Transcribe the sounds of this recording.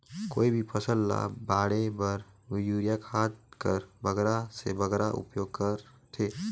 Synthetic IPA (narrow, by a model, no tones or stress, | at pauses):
koːibʱipʰəsəlːa̰baːɽebəɾʋɪjuːɾijakʰaːt̪̚kəɾbəɡɾasḛbʱəɡɾaʔʊ̰pjoːɡ̚kəɾ | t̪ʰeː